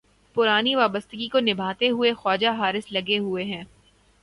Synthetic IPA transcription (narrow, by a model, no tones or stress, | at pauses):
pʊɾaːniʋaːbəst̪əɡikonɪbʱaːt̪eɦʊexɔːd͡ʒaɦaːɾɪslɐɡeɦʊeɦɛ̃ː